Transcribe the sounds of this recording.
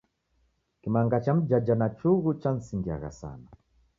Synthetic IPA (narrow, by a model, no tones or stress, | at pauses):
kimaŋɡat͡ʃam̩d͡ʒad͡ʒanat͡ʃuɣut͡ʃan̩siŋɡia̰ɣa̰sa̰na